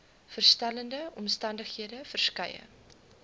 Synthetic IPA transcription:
fərstæləndəʔɔmstɐndəχhiədəfərskɐjə̰

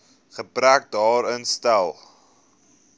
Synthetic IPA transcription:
χəbræk̚dɑːɾənstælˠ

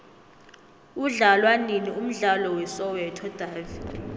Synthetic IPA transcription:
uɮalwaninium̩ɮalɔwɛsɔwɛtʰɔd̥ʱaːvid

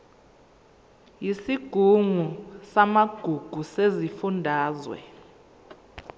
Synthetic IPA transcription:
jisiɡ̥ʱuŋusamaɡ̥ʱuɡ̥ʱusezifundʱaːzwɛ̰

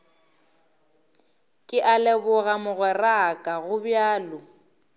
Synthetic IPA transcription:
kʼɪʔalɛbʊɣamʊɣwɛrakʼaɣʊbjaːlʊ

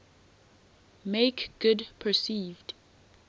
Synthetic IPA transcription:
meɪkɡ̥ʊdpʰəsiːvd̥

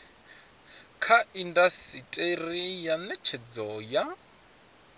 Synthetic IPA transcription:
kʰaindasitʼerijanɛt͡ʃʰɛd͡zɔja

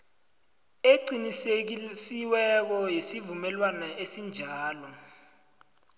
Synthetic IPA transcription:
eǀinis̬siwɛk̬ɔjesivumɛlwanaesind͡ʒʱaːlɔ

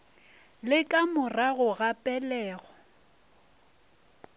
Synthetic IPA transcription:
lɪkʼamʊraɣʊɣapʼɛlɛːɣɔ

